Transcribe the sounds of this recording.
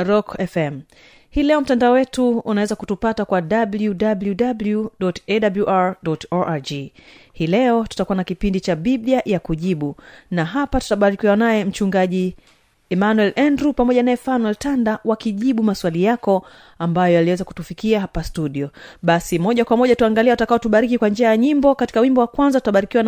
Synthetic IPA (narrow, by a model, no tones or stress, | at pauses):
ɾɔkɛfɛm̩ | hiːlɛɔm̩tandaɔwɛtuunawɛzakutupatakwaɗabljudabljudabljuɗɔtɛɗabljuʔaɹɗɔtɔʔad͡ʒihiːlɛɔtu̥takuwanakipindit͡ʃaɓiviajakuʄiɓunaɦapatu̥taɓaɾikiwanajɛm̩t͡ʃuŋɡaʄi | ɛmanwɛlʔɛndɾupamɔʄanajɛfanwɛltandawakiʄiɓumaswalijakɔ | ambajɔjaliwɛzaku̥tufikiaɦapastuɗiɔɓasimɔʄakwamɔʄatuaŋɡaliawtakaɔtuɓaɾikikwand͡ʒiajaɲimbɔkati̥kawimbɔwakwanzatu̥taɓaɾikiwan